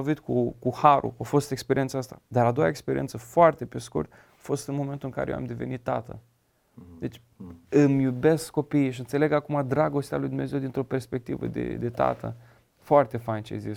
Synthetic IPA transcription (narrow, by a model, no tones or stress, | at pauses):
ovit̪kukuhaɾṵafo̞st̪ekspeɾient̪saast̪a̰d̪aɾad̪o̞wa̰ekspeɾḭent̪səfoart̪e̞peskṵrt̪̚ | afo̞st̪ɨnmo̞ment̪uɨŋka̰ɾḛjo̰a̰md̪e̞ve̞̰nit̪ːa̰t̪ə̰ | d̪e̞t͡ʃʲ | ɨmjube̞skːo̞piiʃiɨnt̪se̞leɡakumad̪ɾaɡo̞st̪ea̰lujd̪umneze̞wd̪int̪ɾo̞pe̞rspe̞k̚t̪ḭvə̰d̪ḛd̪e̞t̪a̰t̪ə̰ | foart̪e̞fanʲt͡ʃḛjzis